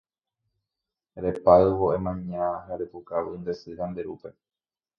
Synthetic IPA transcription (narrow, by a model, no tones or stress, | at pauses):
ɾepaɨʋoemãɲãɦaɾepukaʋɨnd̪e̞sɨɾand̪e̞ɾupe̞